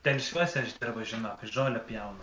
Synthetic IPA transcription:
t̪ʲɛlʲɪʃʲʋʲuɔsʲɛɐʒd̪ʲɪɾbɐʒʲɪnoːkɐʒoːlʲɛpʲjɛʊnɐ

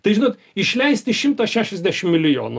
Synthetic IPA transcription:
t̪ɐɪʒʲɪnoːt̪ | ɪʃʲlʲɛɪsʲt̪ʲɪʃʲɪmt̪ɐʃʲæːʃʲɛzʲd̪ʲæːʃʲɪmmʲɪlʲɪjo̰ːnʊ

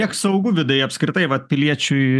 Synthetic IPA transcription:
iɛksɐʊɡʊʋʲɪd̪ʊjɛɐpʲskɾʲɪt̪ɐɪʋɐtpʲɪlʲiɛt͡ʃʲʊɪ

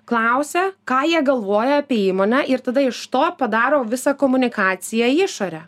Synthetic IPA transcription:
klˠɑʊsʲɛkɑːjiɛɡɐlˠʋoːjɛɐpʲiɛiːmoːnʲɛːʔɪɾt̪ɐd̪ɐɪʃt̪oːpɐd̪ɑːɾoːʋʲɪsɑːkoːmʊnʲɪkɑːt̪sʲɪjɛɪʃoːɾʲɛ

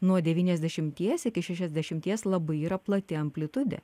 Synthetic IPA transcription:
nuɔd̪ʲɛʋʲiːnʲɛzʲd̪ʲɛʃʲɪmʲt̪ʲiɛsɪkʲɪʃʲæʃʲɛzʲd̪ʲɛʃʲɪmʲt̪ʲiɛslˠɐbɐɪiːɾɐplˠɐt̪ʲɪɐmʲpʲlʲɪt̪ʊd̪ʲɛ̰

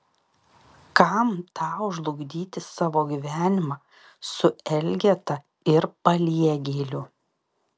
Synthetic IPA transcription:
kɐmt̪ʰɑːʊʒlˠʊɡd̪ʲiːt̪ʲɪsɑːʋoːɡʲiʋʲæːnʲɪmɑː | sʊɛlʲɡʲɛt̪ɐ | ɪɾpɐlʲiɛɡʲeːlʲʊ

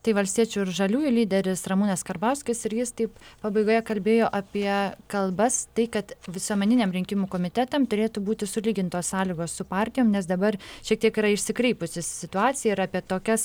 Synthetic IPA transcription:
t̪ɐɪʋɐlʲsʲt̪ʲiɛt͡ʃʲuɪɾʒɐlʲuːjʊlʲiːd̪ʲɛɾʲɪsɾɐmuːnɐskɐrbɐʊsʲkʲɪsɪɾjɪst̪ɐɪppɑbɐɪɡoːjɛkɐlʲbʲeːjoːʔɐpʲiɛkɐlˠbɐst̪ɐɪkɐt̪ʋʲɪsuɔmʲɛnʲɪnʲeːmɾʲɪŋʲkʲɪmuːkoːmʲɪt̪ʲɛt̪ɐmt̪ʊɾʲeːt̪ubuːt̪ʲɪsʊlʲiːɡʲɪnt̪oːssɑːlʲiːɡoːssʊpɑːɾʲt̪ʲɪjoːmnʲɛs̬d̪ɐbɐrʃʲiɛkt̪ʲiɛkiɾɐɪʃʲsʲɪkɾʲɛɪpʊsʲɪssʲɪt̪ʊɑːt͡s̪ʲɪjɛɪɾɑːpʲiɛt̪oːkʲɛs

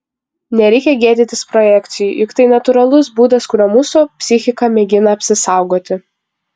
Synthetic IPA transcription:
nʲɛɾʲɛɪkʲɛɡʲeːd̪ʲɪnt̪ʲɪspɾɔjɛkʲt̪sʲɪjʊjɪkt̪ɐɪnɐt̪ʊɾɐlˠʊsbuːd̪ɐskʊɾʲomuːsʊpʲsʲɪxʲɪkɐmʲɛɡʲɪnɐɐpʲsʲɪsɑˑʊɡoːt̪ʲɪ

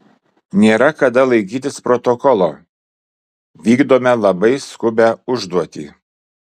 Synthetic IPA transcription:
nʲeːɾɐkɐd̪ɐlˠɐɪkʲiːt̪ʲɪspɾɔt̪ɔkɔlˠoː | ʋʲiːɡd̪oːmʲɛlˠɐbɐɪskʊbʲæʊʒd̪uɔt̪ʲḭː

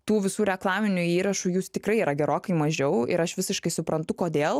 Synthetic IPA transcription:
t̪uːʋʲɪsuːɾʲɛklˠɑːmʲɪnʲʊiːɾɐʃujuːst̪ʲɪkɾɐɪiːɾɐɡʲɛɾoːkɐɪmɐʒʲɛʊɪ̰ɾɐʃʋʲɪsʲɪʃkɐɪsʊpɾɐnt̪ʊkoːd̪ʲeːlˠ

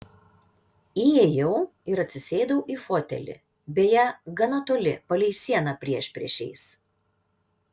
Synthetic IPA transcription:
ijɛjɛʊ | ɪɾɐt̪ʲsʲɪsʲeːd̪ɐʊʔiːfɔt̪ʲɛ̰lʲɪ̰ | bʲejɛɡɐnɐt̪oːlʲɪpɐlʲɛɪsʲiɛnɑpʲɾʲiɛʃpʲɾʲḭɛʃʲɛ̰ɪs

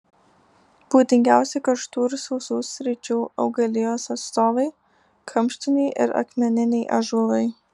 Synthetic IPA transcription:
b̥uːt̪ʲɪŋʲɡʲæˑʊsʲɛkɐʃt̪uːɾsɔʊsuːsʲɾʲɪt͡ʃʲuːɒ̰ʊɡɐlʲɪjoːsɐt̪st̪oːʋɐɪ | kʰɐmʲˑʃʲt̪ʲɪnʲɛɪʔɪ̰ɾɐ̰kmʲɛnʲɪnʲɛɪʔɐʒuʋɐɪ

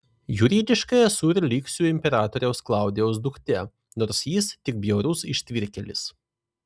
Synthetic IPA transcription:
jʊɾʲiːd̪ʲɪʃkɐjɛsuːɾʲlʲiːksʲuːɪmʲpʲɛɾɑːt̪ɔɾʲɛʊsklˠɑˑʊd̪ʲejɛʊsd̪ʊkt̪ʲɛ | nɔɾsjiːst̪ʲɪk̚bʲjɛʊɾusɪʃʲt̪ʲʋʲɪɾʲkʲɛlʲɪs

